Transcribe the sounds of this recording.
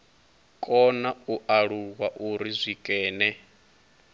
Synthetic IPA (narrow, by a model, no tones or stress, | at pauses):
kʼɔnauʔaɺuɣwaʔuɾizʷikʼɛːnɛ